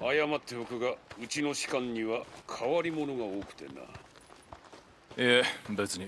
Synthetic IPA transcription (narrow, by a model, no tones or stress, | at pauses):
ajamat̪ːebokɯ̟ɡaɯ̟t͡ɕino̞ɕi̥kãɲ̟ːiβakʰaβaɾʲimo̞no̞ɡao̞ːkɯ̥t̪e̞̰na̰ | ebet͡sɨɲʲi